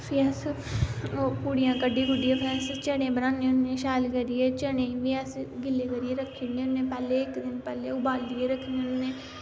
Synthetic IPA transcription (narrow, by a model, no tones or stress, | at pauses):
pʰjaːs | opuːɽijãːkəɖiːɡʊɖijãːpʰɛːst͡ʃəɽẽːbənãːnẽːʊnẽːʃaːlkəɾieːt͡ʃəɽẽːʋɪaːsɡɪleːkəɾieːɾəkʰːiːneːʊnːẽːpɛːleːɪkd̪ɪnpɛːleːʊbaːld̪ieːɾəkʰːnenẽː